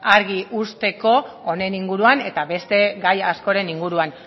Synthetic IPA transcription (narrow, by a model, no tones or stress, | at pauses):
aɾɣiʔust̪e̞ko̞one̞niŋɡuɾuane̞t̪aβe̞st̪e̞ɡajasko̞ɾe̞niŋɡuɾuan